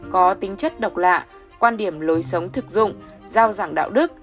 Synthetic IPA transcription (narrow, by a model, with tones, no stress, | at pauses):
kɔ˨˦t̪ï˨˦ŋ̟t͡ɕə˦˥t̚ɗə˨˩wk͡p̚la̰ː˧˨ | kwaː˧nɗi˧˩əmlo˨˦jsə˨˦wŋ͡mt̪ʰɨ˨˩k̚zʊ̰˧˨ŋ͡m | zaː˧wzaː˧˩ŋɗa̰ː˧˨wɗɨ˦˥k̚